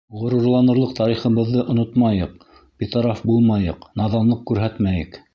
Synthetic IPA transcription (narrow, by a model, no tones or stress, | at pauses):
ʁŏɾŭɾlˠɑnɤ̆ɾlˠɤqt̪ɑɾiχɤ̆βɤ̆ðːɤʔŏnot̪mɑjɤq̚ | pʲet̪ɑɾafbulˠmɑjɤ̰qnɑðɑlˠɤq̚kʉɾɦæt̪mæjɘ̰k